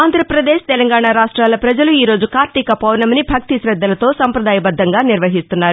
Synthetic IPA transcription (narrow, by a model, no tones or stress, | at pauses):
aːnd̪ʱɾɐpɾɐd̪eːʃt̪ɛlɐŋɡaːɳaːɾaːʂʈɾaːlɐpɾɐd͡ʒɐluiːɾo̞ːd͡ʒukaːɾt̪ikɐpɐwnɐmɐnibʱɐk̚t̪isɾɐd̪ːɐlɐt̪o̞ːsɐmpɾɐd̪aːjɐbɐd̪ʱːɐŋɡaːniɾʋɐɦist̪unːaːɾu